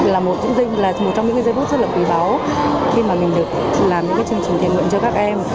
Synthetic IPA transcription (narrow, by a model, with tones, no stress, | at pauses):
laː˨˩mo˨˩t̚ɲɨ̰˧˥ŋzi˧ŋlaː˨˩mo˨˩t̚t͡ɕɔ˧ŋ͡mɲɨ̰˧˥ŋkːzːt̪fu˦˥t̚zə˦˥t̚laː˨˩kwi˨˩ɓaː˨˦w | xi˧maː˨˩mï˨˩ŋ̟ɗɨ˨˩ək̚laː˨˩mɲɨ̰˧˥ŋkaː˨˦jt͡ɕɨ˧əŋt͡ɕi˨˩ŋ̟ʰḭ˧˨nwḭ˧˨ənt͡ɕɔ˧kaː˦˥k̚ʔɛ˧m